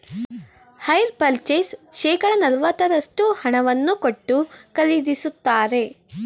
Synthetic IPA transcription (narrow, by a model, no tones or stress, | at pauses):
hɐjɾpɐlt͡ʃesʃɛːkɐɽɐnɐlʋɐt̪ːɐɾɐʂʈuhɐɳɐʋɐnːukoʈːukɐlid̪isut̪ːaːɾe̞